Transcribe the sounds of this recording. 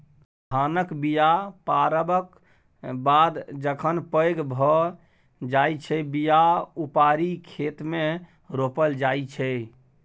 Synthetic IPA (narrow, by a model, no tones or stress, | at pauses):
k̪ʰanəkbijapaɾəbək | bad̪d͡ʒəkʰənpəjɡbʱə | d͡ʒajt͡ʃʰɛbijaupaɾikʰet̪me | ɾopəld͡ʒajt͡ʃʰɛ